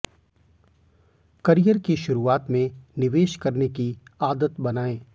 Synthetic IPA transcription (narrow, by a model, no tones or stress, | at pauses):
kɐɾijəɾkiʃʊɾuaːt̪mẽnɪʋeːʃkɐɾnekiaːd̪ət̪bɐnaːẽː